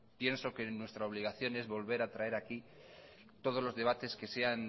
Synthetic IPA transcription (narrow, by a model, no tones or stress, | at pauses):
pje̞nso̞ke̞nwe̞st̪ɾaoβ̞liɣ̞aθjo̞ne̞zβo̞lβe̞ɾat̪ɾae̞ɾaki | t̪o̞ð̞o̞zlo̞zðe̞β̞at̪e̞ske̞se̞an